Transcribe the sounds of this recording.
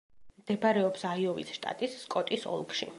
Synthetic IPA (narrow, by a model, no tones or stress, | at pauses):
md̪̥ɛbaɾɛɔpsaiɔvḭsʃt̪ʼa̰t̪ʼisːkʼɔt̪ʼisɔ̰lˠkʃḭ